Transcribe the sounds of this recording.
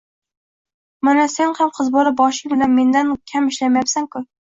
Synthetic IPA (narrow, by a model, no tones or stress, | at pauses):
manase̞nhamqʰɨzbɒɾɪp̚bɒʃɪbɪlanme̞nd̪ankʲʰamɪʃlamajapsaŋkʊ